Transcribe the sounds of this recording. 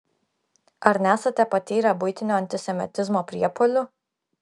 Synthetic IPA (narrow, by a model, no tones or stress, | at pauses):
ɐɾnʲæːsɐt̪ʲɛpɐt̪ʲiːɾɐbʊɪt̪ʲɪnʲoːɐnʲt̪ʲɪsʲɛmʲɪ̰t̪ʲɪzmoːpʲɾʲiɛpolʲʊ